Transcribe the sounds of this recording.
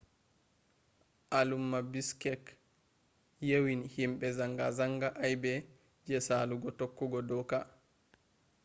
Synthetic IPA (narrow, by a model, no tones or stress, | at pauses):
ʔalumːabiskɛk | jewinhimɓɛzaŋɡazaŋɡaʔajbɛ | d͡ʒɛsaluɡɔtokːuɡɔdɔka